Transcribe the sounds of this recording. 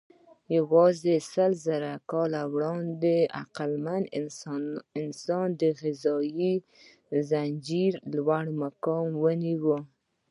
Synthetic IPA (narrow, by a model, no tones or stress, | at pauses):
jawɑzesəlzaɾakɑlawɽɑnd̪ea̰qalman | ɪnsɑnd̪əɣɪzɑji | zand͡ʒiɾlwaɽmakɑmwəniwə